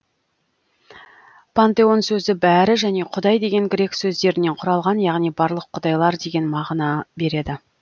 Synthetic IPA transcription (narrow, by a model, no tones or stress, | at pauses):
pʰant̪e̞o̞nsɵzɪbæɾɪʒæne̞qʰʊd̪ɑjd̪e̞ɡʲe̞ŋɡʲɪɾe̞ksɵzd̪e̞ɾɪne̞ɴqʰʊɾɑlˠʁɑnjɑʁnijbɑɾlˠəqʰːʊd̪ɑjlˠɑɾd̪e̞ɡʲe̞nmɑʁnɑbe̞ɾe̞d̪ɪ